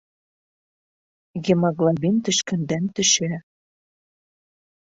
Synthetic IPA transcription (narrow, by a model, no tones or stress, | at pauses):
ɣemɑɣlɑbint̪ɘ̆ʃkɘ̆nd̪ænt̪ɘ̆ʃæ